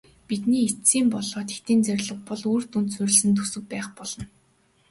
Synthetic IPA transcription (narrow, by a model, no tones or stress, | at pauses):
pit̪niːet͡siːmpɔɮɔːt̪xe̥t̪iːnt͡sœɾʲɮə̆k̚pɔɮuːr̥t̪unt̪sɵɾʲɘ̆ɮsɘ̆nt̪̬ʰusɵ̆k̚pæːχpɔɮ̥ɞ̆n